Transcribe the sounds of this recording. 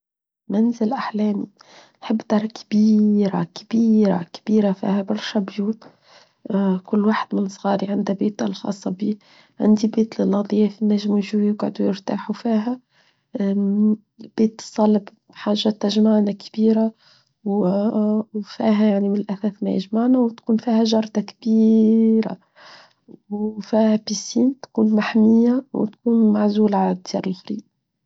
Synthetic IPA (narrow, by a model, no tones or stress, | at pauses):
mænzɪlʔaħlæːmi | nħəbːd̪ɑɾˤkbiːɾa̰kab̥iːɾa̰kb̥iːɾafḭːhæbɑɾˤʃæbjuːt̪ | kʊlːwaħəd̪mɪnsˤɣɑːɾiʕɪnd̪æbeːt̪alxɑ̰ːsˤːɑbiː | ʕɪ̰nd̪ibeːt̪lɪlʔɑd̪ˤjæfinːæʒmuʒujɪɡʕʊ̰d̪ujɪɾt̪aːħufiːɦæ | b̥eːt̪ːsˤɑlːb | ħaːʒːat̪ɪʒmaʕnækbiːɾa | w | wfiːɦæjaʕnimɪnɪlʔæθæːθmæ̰jɪ̰ʒmaʕnæwt̪kuːnfihæʒɑɾˤd̪ɑkbiɾa̰ | wfiːhæpisiːnt̪kuːnmaħmɪjːaw̰t̪kuːnmaʕzuːlʕald̪jḭɾɪlfɾiːʔ